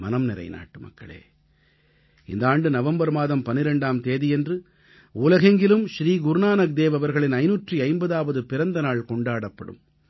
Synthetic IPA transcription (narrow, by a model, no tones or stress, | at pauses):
mɐnɐmnɪɾɐ̰ɪna̰ːʈːɯmɐ̰kːɐ̰ɭḛː | ɪ̰nd̪ɐaːɳɖɯnɐʋɐmbɐɾmaːðɐmpɐnːɪɾɛɳɖaːmt̪eːðijɛndrɯ | uːlɐɣɐŋɡɪlɯmʃɾiːɡʊɾnaːnɐk̚d̪eːʋɐʋɐɾɣɐɭɪnɐɪnuːʈriɐɪmbɐðaːʋɐðɯpɪɾɐnd̪ɐnaːɭkɔɳɖaːɽɐpːɐɽɯ̰m